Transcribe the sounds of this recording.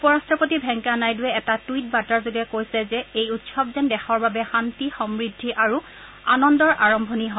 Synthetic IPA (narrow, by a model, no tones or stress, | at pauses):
upɔɹastɹɔpotibʱɛŋkanajduwɛɛtatwit̚batɔɹzoɡɛkojsɛzɛejutsɔb̚zɛndɛxɔɹbabɛxantixɔmɹidʱːiʔaɹu | anɔndɔɹʔaɹɔmbʱɔniɦɔ